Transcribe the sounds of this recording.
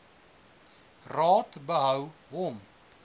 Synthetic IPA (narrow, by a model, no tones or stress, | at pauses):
rɑːtbəɦœwɦɔm